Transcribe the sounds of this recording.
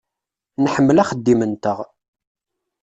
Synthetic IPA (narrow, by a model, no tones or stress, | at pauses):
nħəmːəlæχəd̪ːimənt̪əʁ